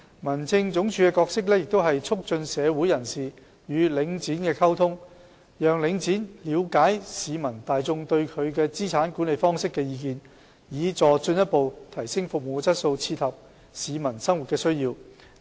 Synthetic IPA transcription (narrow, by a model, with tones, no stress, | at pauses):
mɐ˨˩nt͡sʰɪ˥ŋt͡sʊ˨˥ŋt͡ʃʰyː˨˧kɛː˧kɔː˧k̚sɪ˥k̬̚lɛː˥jɪ˨k̚t̪o˥wɦɐ˨jt͡sʰʊ˥k̚t͡ʃɵ˧nsɛː˨˧wu˨˥jɐ˨˩nsiː˨ | jyː˨˧lɪ˨˥ŋt͡siː˨˥nkɛː˧kʰɐ˥wt̪ʰʊ˥ŋ | jœː˨ŋlɪ˨˧˥ŋt͡siː˨˥nliː˨˧wkaː˨˥jsiː˨˧mɐ˨˩nt̪aː˨jt͡sʊ˧ŋt̪ɵ˧ɥkʰɵ˨˧ɥkɛː˧t͡siː˥t͡sʰaː˨˥nkuː˨˥nle˨jfɔː˥ŋsɪ˥kːɛː˧jiː˨˧k̬iː˨n | jiː˨˧t͡sɔː˨t͡sɵ˧njɐ˥t̚po˨wt̪ʰɐ˨˩jsɪ˥ŋfʊ˨k̚mo˨t͡sɐ˥t̚so˧wt͡sʰiː˧t̪ʰhɐ˨p̚ | siː˨˧mɐ˨˩nsɐ˥ŋwu˨t̚kɛː˧sɵ˥ɥjiː˧w